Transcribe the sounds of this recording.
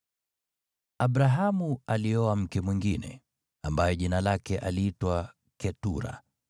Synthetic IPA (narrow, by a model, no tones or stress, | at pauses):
aɓɾaɦamualiɔam̩kɛmwiŋɡinɛ̰ | ambajɔʄinalakɛʔaliitwa | kɛtṵɾa̰